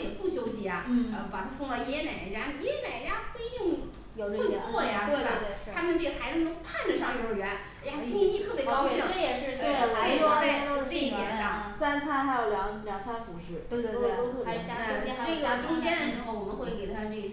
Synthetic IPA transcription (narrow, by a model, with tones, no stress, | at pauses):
pu˥˩ɕjo˥ʊɕi˧˥a˧˩ə˥˧˩pa˨˩t̪ʰa˥fʊ˥˧ŋljɛ˥na˨˩ɪd̪ə˧˩t͡ɕja˥n˨˩jɛ˥na˨˩ɪd̪ə˦t͡ɕja˥xwe˥ɪt̪i˥˩ŋ | jo˧˨˩lwe˥˩˧t͡sʰwɔ˥˩ja˩t̪we˥˩ə˨˧˩t̪e˥˧˩a˥mə˨nʈ͡ʂe˥˩ɡə˩t̪ʰa˧˥ɪ˧˩ʊ˥ŋpʰa˥˩ndə˨˩ʂɑ˥˩ŋo˧˩ə˨˩ɥɛ˧˥n˥ja˧i˥ŋi˥i˥t̪ʰɤ˥˩pjjɛ˨˩ʂɻ̩˥˩se˥˩˨a˧˥ɔ˥o˥˧˥t̪i˥˩ɛ˧˥na˥˩sa˥nt͡sʰa˥nxa˧˥ɪjo˨˩ʊljɑ˧˥ŋ˧˩ljɑ˧˥ŋt͡sʰa˥nfu˧˥ʂɻ̩˥˩t̪we˥˩˥o˥t̪ʰo˥˩˧t͡ɕja˥a˥˩˥ʈ͡ʂʊ˥ŋt͡ɕjɛ˥nd̪ə˨˩ʂɻ̩˧˥xo˧˩ʊwɔ˨˩mə˧˦nxwe˥˩ɪke˨˩ɪtətʰa˥˧ne˥˩ɡə˩